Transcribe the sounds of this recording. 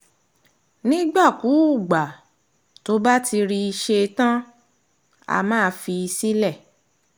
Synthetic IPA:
nĩ˦ɡ͡ba˦˨ku˨˦u˦˨ɡ͡ba˨ | to˨˦ba˦tʰi˧ɾi˧i˧ʃe˧tã˦ | a̰˧mãː˦˧fi˧i˧si˦lɛ˦˨

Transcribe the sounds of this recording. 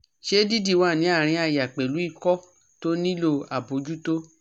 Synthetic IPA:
ʃe˦di˦˨di˦˨wa˦˨nĩ˨˦a˦˨ɾ̃ĩ˧˦a˧ja˨k͡pe˨lu˨˦i˦˨kɔ˦ | to˦nĩ˦lo˧˨a˨bo˨˦d͡ʒu˦to˦

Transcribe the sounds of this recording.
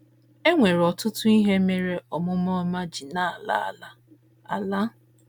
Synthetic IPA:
e˦ŋʷe˨ɾɔ˨tʊ˦tʊ˦i˦ɦe˦me˦ɾe˦ɔ˨mʊ˦mɔ˦ma˦d͡ʒi˨na˦˨a˨la̰˦˨a̰˨la˦ | a̰˨la˦

